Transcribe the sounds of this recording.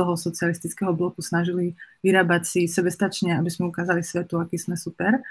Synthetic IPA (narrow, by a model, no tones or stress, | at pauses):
ɔɦɔsɔt͡sialist̪it͡skɛɦɔblɔkusnaʒiliʋiɾaːbacsisɛbɛst̪at͡ʃɲɛabizmɛukaːzalisʋɛt̪uakiːsmɛsupɛɾ